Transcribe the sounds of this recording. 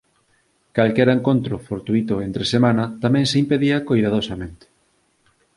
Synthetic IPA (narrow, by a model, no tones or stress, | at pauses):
kalkɛɾeŋkont̪ɾʊfoɾt̪uit̪ʊent̪ɾesemanɐt̪amɛ̃ŋseimpeðiɐkojðað̞osamẽnt̪ɪ̥